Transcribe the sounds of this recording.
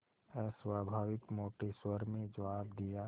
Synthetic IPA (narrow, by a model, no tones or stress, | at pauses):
ɛːswaːbʱaːʋɪkmoːʈeswəɾmẽd͡ʒəʋaːbd̪ijaː